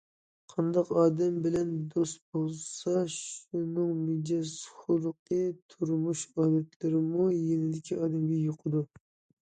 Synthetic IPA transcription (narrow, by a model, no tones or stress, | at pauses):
qʰɑnd̪ɑqɑːd̪ɛmbɪlɛnd̪ost̪̚bolˠsɑʃunɨŋmid͡ʒɛsχʊɾˠʊqʰət̪ʰuɾmuʃɑːd̪ɛt̪ʰlɪɾɪmujenɪd̪ɪkʲʰiɑːd̪ɛmɡʲɛjoqʰəd̪u